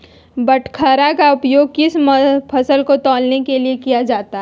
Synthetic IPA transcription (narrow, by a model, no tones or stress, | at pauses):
bəʈʰkʰəɾakaʊpjoːɡ̚kɪsmpʰɐsəlkot̪ɔːlnekeliekijad͡ʒaːt̪aɦɛ